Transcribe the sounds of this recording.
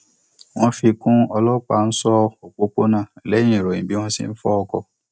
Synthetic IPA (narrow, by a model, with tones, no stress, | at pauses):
w̃ɔ̃˧fi˧kũ˦ɔ˧lɔ˦k͡pa˨n̩˦sɔ˦ɔ˨k͡po˨˦k͡po˦nãː˦˨lɛ˨˦j̃ĩ˦˨ɾo˨ĩ˨bi˦w̃ɔ̃˦sḭ̃˦n̩˦fɔ˦ɔ˧kɔ˧